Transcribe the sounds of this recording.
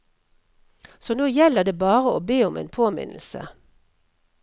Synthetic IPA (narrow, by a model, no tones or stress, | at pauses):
sɔːnoːjɛləd̪eːbɑːʁəoːbeːʊmʔḛːnpʰoːmɪ̰nl̩sə̰